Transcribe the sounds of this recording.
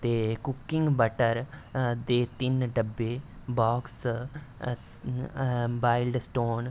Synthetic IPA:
t̪eːkʊkːɪŋɡbəʈəɾd̪eːt̪ɪnɖəbːeː | baːks | ʋaːɪlɖsʈoːn

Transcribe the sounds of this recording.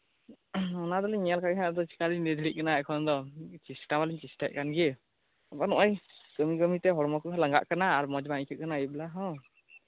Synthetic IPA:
ɔnad̪ɔlɛɲɛjalkaɡɛɦad̪ɔt͡ʃi̥kalinɛd̪ʱiɾic̚kanaɛkʰɔnd̪ɔt͡ʃisʈamaliɲt͡ʃisʈaʔ̚kanɡi | apanɔʔajɡ̥əmiɡəmit̪ɛɦɔɾmɔkuɦalaŋɡa̰ʔkanaːɾmɔd͡ʒbaŋikʰɛt̚kanaijbɛlaɦɔ̃

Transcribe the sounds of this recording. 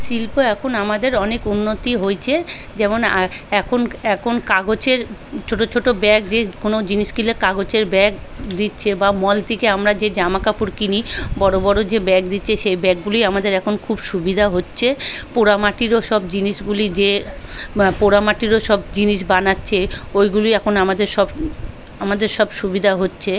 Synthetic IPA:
ʃilpoɛkʰonamad̪eɾɔnekunːot̪iɦojt͡ɕʰe | d͡ʑɛmonɛkʰonɛkʰonkaɡot͡ɕeɾt͡ɕʰoʈot͡ɕʰoʈobɛk̚d͡ʑekonod͡ʑiniʃkilekaɡot͡ɕeɾbɛk̚d̪itːɕʰebamɔlt̪ʰikeamɾad͡ʑed͡ʑamakapuɾkinibɔɾobɔɾod͡ʑebɛk̚d̪itːɕʰeʃejbɛk̚ɡulijamad̪eɾɛkʰonkʰubʃubid̪ʱaɦotːɕʰepoɾamaʈiɾoʃɔbd͡ʑiniʃɡulid͡ʑe | poɾamaʈiɾoʃɔbd͡ʑiniʃ̬banatːɕʰeojɡuloiɛkʰonamad̪eɾʃɔb | amad̪eɾʃɔbʃubid̪ʱaɦotːɕʰe

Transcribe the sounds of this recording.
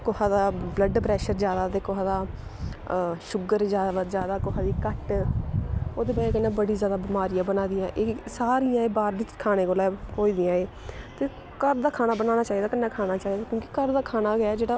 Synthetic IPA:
kohaːd̪aːbləɖpɾɛːʃəɾzjaːd̪aːt̪eːkoɦaːd̪aː | ʃʊɡəɾd͡ʒaːazjaːd̪aːkoɦaːd̪iːkəʈ | oːd̪eːbəːkənːãːbəɽiːzjaːd̪aːbɪmaːɾɪjãːbənaːd̪ɪjãːʔesaːɾiːjãːeːbaːɾd̪ɪt͡ʃkʰaːɽ̃eːkoːlɛːɦoːiːd̪ɪjãːeː | t̪eː | kəɾd̪aːkʰaːɽ̃aːbənãːnaːt͡ʃaːiːd̪aːkənːãːkʰaːnaːt͡ʃaːiːd̪aːkjõːki̥kəɾd̪aːkʰaːnaːɡɛɛːd͡ʒeːɽaː

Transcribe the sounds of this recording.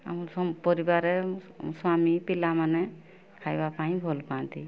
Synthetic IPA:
a̰muɔpɔɾibaɾɛ | swamipilamanɛ | kʰajbapaj̃bʱɔlpãnt̪i

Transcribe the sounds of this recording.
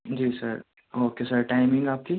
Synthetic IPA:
d͡ʒiːsəɾ | oːkesəɾʈaːɪmɪ̃ŋɡaːp̚ki

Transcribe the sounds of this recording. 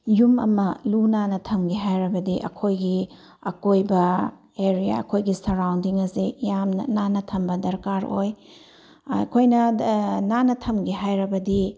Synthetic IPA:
jumɐ̰mɐlunanɐtʰɐmɡiɦajɾɐbɐdiʔɐ̰kʰojɡi | ɐkojbɐ | eɾija̰ɐ̰kʰojɡisɐɾawndiŋɐsijamnɐ̰nanɐtʰɐmbɐdɐɾkaɾo̰j̰ | kʰojnɐnanɐtʰɐmɡiɦajɾɐbɐdi

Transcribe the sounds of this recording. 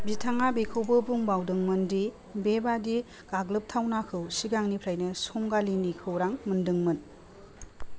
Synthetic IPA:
bitʰaŋabekʰɯwbɯbuŋbawdɯŋmɯndi | bebadi | ɡ̥aɡlɯp̚tʰawnakʰɯwsiɡaŋnipʰɾajnɯsɔŋɡalinikʰɯwɾaŋmɯndɯŋmɯn

